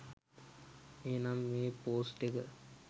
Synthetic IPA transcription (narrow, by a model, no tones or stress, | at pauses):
eːnamːeːpoːsʈekə